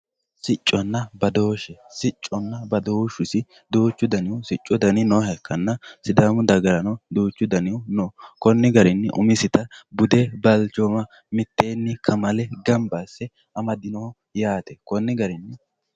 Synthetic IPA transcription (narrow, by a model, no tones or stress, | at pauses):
sɪt͡ʃʼːɔnːɐbɐd̪o̞ːʃɛsɪt͡ʃʼːɔnːɐbɐd̪o̞ːʃʊsɪ | d̪oːt͡ʃːʊd̪ɐnɪʊsɪt͡ʃʼːɔd̪ɐnɪnɔhɛkʰːɐnːɐsɪd̪aːmʊd̪ɐɡɐɾɐnɐd̪oːt͡ʃːʊd̪ɐnɪwʊnokɔnːɪɡɐɾɪnːɪʔʊ̰mɪsɪt̪ɐbʊd̪ɛbɐlt͡ʃɔmɐ | mɪt̪ːeːnːɪkʰɐmɐlɛɡɐmbɐsːɛ | ɐmɐd̪ɪnɔhɔ | jaːt̪ɛkɔnːɪɡɐɾɪnːɪ